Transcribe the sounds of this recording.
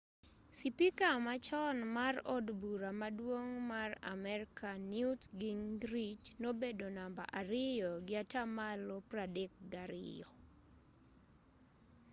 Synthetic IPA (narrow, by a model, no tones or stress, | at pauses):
sipikamat͡ʃɔnmarɔ̰dbuɾamadwoŋmara̰mɛɾkʰanjutɡiŋɡɾid͡ʒnobedonamba̰ʔaɾɪjɔɡɪatamalɔpradek̚ɡaɾɪ̰jɔ